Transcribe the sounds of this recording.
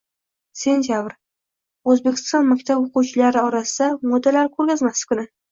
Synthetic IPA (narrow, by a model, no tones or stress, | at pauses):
se̞nt̪ʰjabɾ | ɵzbe̞kʲɪ̥st̪ɒnmakʲt̪ʰaboquwt͡ʃʰɪlaɾɪɒɾasɪd̪amɒd̪ːalaɾkʰɵɾɡʲazmasɪ̥kʊnɪ